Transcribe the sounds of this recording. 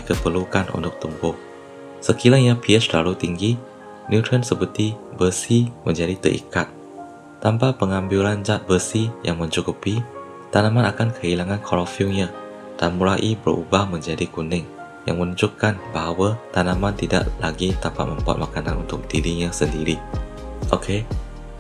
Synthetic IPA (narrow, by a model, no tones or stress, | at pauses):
dikəpərlukanʔṵnt̪ʊk̚t̪umbʊh̚ | səkiɾaɲãpiət͡ʃla̰lut̪iŋɡi | njut̪ɾənsəpərt̪ibəsimə̃ɲd͡ʒadit̪ə̰ʔḭkat̪̚ː | ampapəŋambiland͡ʒat̪̚bəsijaŋmə̃ɲt͡ʃukupi | t̪anãmãnakankʰəilaŋankʰɔlɔfiuɲã | d̥anmulaʔibəɾṵbahmə̃ɲd͡ʒadikunɪŋ | ja̰ŋmənud͡ʒukːanbaɦawat̪anãmãnt̪ida̰ʔlaɡit̪apa̰t̪̚mə̃mpɔ̰t̪̚makanãnṵnt̪ʊk̚diɾiɲãsəndiɾi | ʔokʰe